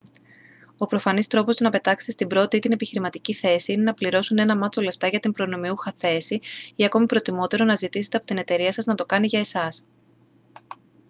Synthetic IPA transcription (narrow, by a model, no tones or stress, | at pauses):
o̞pɾo̞fɐnist̪ɾo̞po̞st̪onɐpe̞t̪ɐkse̥t̪est̪imbɾo̞t̪it̪ine̞piçiɾimɐt̪iciθe̞siine̞nɐpliɾo̞sune̞nɐmɐt͡sole̞ft̪ɐʝɐt̪impɾo̞no̞miuxɐθe̞siiɐko̞mipɾo̞t̪imo̞t̪e̞ɾo̞nɐzit̪ise̞t̪eɐpo̞t̪ine̞t̪e̞ɾiɐsɐznɐt̪o̞kɐniʝɐe̞sɐs